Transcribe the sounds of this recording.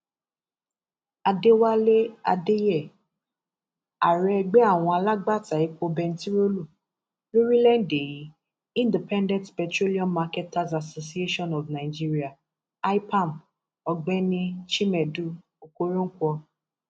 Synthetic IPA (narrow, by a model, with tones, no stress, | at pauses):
a˧de˦wa˦le˦a̰˧de˦jɛ˦˨ | a˨ɾɛ˨˦ɛ˧ɡ͡bɛ˦a˦˨w̃ɔ̃˧a˧la˦ɡ͡ba˦˨ta˨i˨˦ko˧bɛ˧n̩˦ti˦ɾo˦lo˦˨ | lo˦ɾi˦lɛ˦n̩˦de˨ji˨˦ | ĩ˦˨ndi˨pɛ̃˦ndɛ̃˦ntpɛ˨tɾo˦li˦ɔ̃˦nma˧kɛ˦ta˦za˨so˨si˦e˦ʃɔ̃˦nɔ˨vnã˨i˨d͡ʒi˦ɾi˦a˨ | a˦jpã˦˨n | ɔ˧ɡ͡bɛ˦nĩ˦ʃi˦mɛ˨du˦ | o˨ko˧ɾũ˦ŋ̩˦kʷɔ˧